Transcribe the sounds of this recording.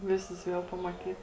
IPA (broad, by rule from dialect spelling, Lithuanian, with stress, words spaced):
ˈʋʲɪsʊs ˈʋʲiɛlˠ pɐmɐˈtʲiːt